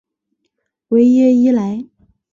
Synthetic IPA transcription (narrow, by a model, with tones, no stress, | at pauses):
we˧˥ɪjɛ˥i˥la˧˥ɪ